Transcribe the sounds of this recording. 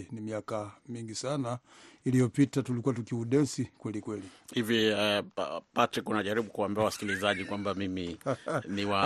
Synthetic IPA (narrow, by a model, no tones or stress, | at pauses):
nimiakamiŋɡisana | ilijɔpitatulikuwatukiuɗɛsikwɛlikwɛlihivji | patɾikunaʄaɾiɓukuwambɛawasi̥kilizaʄikwambamiminiwa